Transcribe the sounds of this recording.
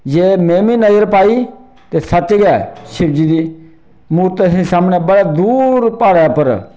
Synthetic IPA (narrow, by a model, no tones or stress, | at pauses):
d͡ʒeːmeːmiːnəd͡ʒəɾpaːiː | t̪eːsət͡ʃɡɛːʃɪbd͡ʒiːd̪iː | muːɾt̪sĩsaːmneːbəɽaːd̪uːɾpaːɽɛːpəɾ